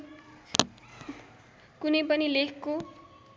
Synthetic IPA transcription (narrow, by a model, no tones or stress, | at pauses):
kunʌjpʌnilekʰko